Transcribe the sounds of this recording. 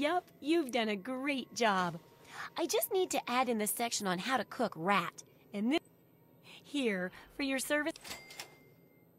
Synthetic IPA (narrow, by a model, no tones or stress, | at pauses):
jɛpjʉvdʌ̃nɨɡɹeɪt̚d̥ʒ̥ɑb | ʔaɪd͡ʒʌstⁿnid̚tʰɨʔæɾɨ̃nðɨsɛkʃɨ̃nə̃nɦaʊɾɨkʰʊkɹæɾ | ɨ̃nðɪ | hiɹfə˞jə˞sɜ˞vɨ